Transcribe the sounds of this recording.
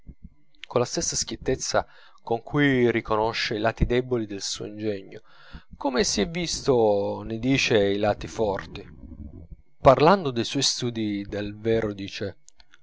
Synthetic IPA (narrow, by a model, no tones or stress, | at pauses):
kolast̪esːask̟jit̪ːet̪sːa | koŋkʰujrikonoʃːeilaːt̪id̪ɛbolid̪elsṵːo̰ind͡ʒɛɲːo | komesiɛvːist̪onɪd̪iːt͡ʃeilaːt̪ifɔrt̪i | parland̪od̪ejswɔjst̪uːd̪id̪elvɛːɾod̪iːt͡ʃe